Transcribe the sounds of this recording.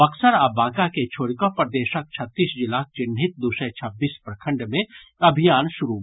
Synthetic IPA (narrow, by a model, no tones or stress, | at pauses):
ɐksəɾaːbaːɡaket͡ʃʰoːɽikõpəɾd̪eːʃək̚t͡ʃʰɐt̪ːiːsd͡ʒɪlaːk̚t͡ʃɪnʱɪt̪̚d̪uʃet͡ʃʰɐbːiːspɾɐkʰə̃ɳɖmẽɐbʱijaːnʃʊɾu